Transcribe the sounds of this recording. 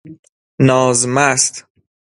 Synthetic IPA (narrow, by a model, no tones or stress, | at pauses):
nɒːzmæst̪